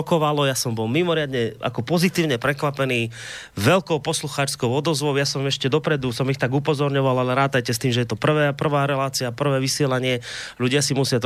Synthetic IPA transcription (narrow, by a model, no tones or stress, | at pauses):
ɔkɔʋalɔjasɔmbɔlmimɔɾɪad̪ɲɛa̰kɔpɔzit̪iːʊɲɛpɾɛkʋapɛniː | ʋɛlkɔʊpɔsluxaːt͡ʃskɔʊɔd̪ɔzʋɔʊjasɔmɛʃcɛd̪ɔpɾɛd̪usɔmixt̪aɡupɔzɔɾɲɔʋalalɛɾaːt̪ajcɛst̪iːmʒɛjɛt̪ɔpr̩ʋɛːpr̩ʋaːɾɛlaːt͡siapr̩ʋɛːʋisɪɛlaɲɪɛʎuɟɪasimusɪat̪